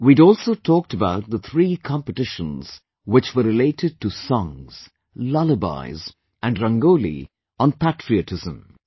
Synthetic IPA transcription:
widɔːlˠsotʰɔːk̚təbaʊt̚ðət̪ʰɾiːkʰɑ̃mpəʈɪʃə̃nz̥ | wɪt͡ʃwəɾɪleɪtɨd̚tusɔ̃ŋz̥ | laləba̰ɪz | ʔæ̃nɖɾʌ̃ŋɡolḭ | ə̃npʰætɹiətʰɪzə̰̃m

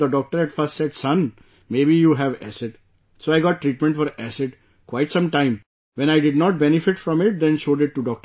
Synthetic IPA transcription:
d̪əɖɔːk̚ʈəɾɛɖfəsʈsɛɖsʌ̃n | meːbijuːɦæʋæ̰sɪʈ | soːaɪɡɔːʈːɾiːʈmɛ̃ɳʈfɔɾæsɪʈ | kwaɪʈsʌ̃mʈãɪ̃m | ʋɛ̃ñaɪɖɪɖnɔːʈ̚bɛnɪfɪʈfɾɔ̃mɪʈ̚d̪ɛ̃nʃoːɖɪʈːuɖɔːk̚ʈə

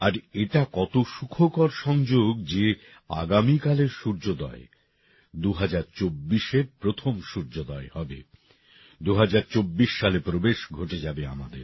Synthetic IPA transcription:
aɾeʈakɔt̪oʃukʰokɔɾʃɔŋd͡ʑoɡd͡ʑe | a̰ɡamikaleɾʃuɾd͡ʑod̪ɔ̰e | d̪uɦad͡ʑaɾt͡ɕobːiʃepɾot̪ʰomʃuɾd͡ʑod̪ɔehɔbḛ | d̪uɦad͡ʑaɾt͡ɕobːiʃːalepɾobeʃɡʱoʈed͡ʑabea̰mad̪eɾ

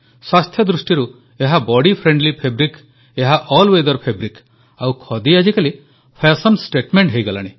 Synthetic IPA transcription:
swast̪ʰjɔd̪ɾusʈiɾu | eɦabɔɽipʰɾeɳɖlipʰebɾik | eɦaʔɔlwed̪ɔɾpʰebɾik | awkʰɔd̪iad͡ʒikali | pʰesɔnsʈeʈmeɳʈɦejɡala̰ɽ̃i

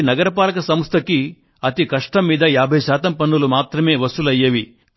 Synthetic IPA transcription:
nɐɡɐɾɐpaːlɐkɐsɐmst̪ʰɐki | ɐt̪ikɐʂʈɐmːiːd̪ɐjaːbʱɐjɐʃaːt̪ɐmpɐnːulumaːt̪ɾɐme̞ːʋɐsulɐjːɐʋi

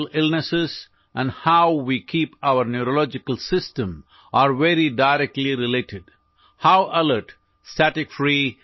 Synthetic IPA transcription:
lɪlnəsɪz | ʔæ̃nɖhaʊʋiːkʰiːpaʊəɾnjuɾolɔːd͡ʒɪkəlsɪsʈə̃m | ʔaːɾʋeɾiɖaɪɾɛk̚ʈliɾɪleːʈɪɖ | haʊʔələɾʈ | stæʈɪkfɾiː

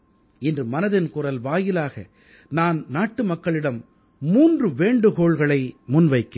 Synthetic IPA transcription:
ɪndrɯmɐnɐðɪnkʊrɐlʋaːjɪlaːɣɐ | naːnnaːʈːɯmɐkːɐɭɪɽɐmː | uːndrɯʋeːɳɖɯkoːɭɣɐɭɐɪmʊnʋɐɪkːɐ

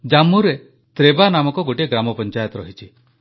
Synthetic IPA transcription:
d͡ʒamuɾe | t̪ɾebanamɔkɔɡoʈiɡɾamɔpɔnt͡ʃajɔt̪ɾɔɦit͡ʃʰi

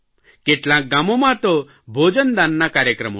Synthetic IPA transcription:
keʈlãk̚ɡamɔmãt̪ɔ | bʱod͡ʒənd̪anːakaːɾjəkɾəmɔ̰

